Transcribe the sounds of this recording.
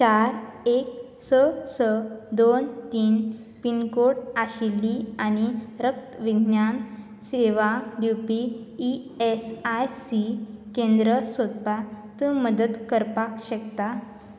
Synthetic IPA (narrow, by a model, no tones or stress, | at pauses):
t͡ɕaɾek̚ | səsəd̪ont̪iːn | pinkoʈaɕilːiañiɾək̚t̪ʋiɡʱnjan | seʋad̪iwpiː | esajsikẽnd̪ɾəsod̪pat̪ũməd̪əd̪kəɾpakɕəkt̪a